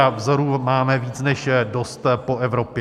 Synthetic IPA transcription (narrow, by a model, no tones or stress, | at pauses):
avzoɾumaːmɛviːt͡snɛʃdo̞st̪po̞ʔɛvɾo̞pɪ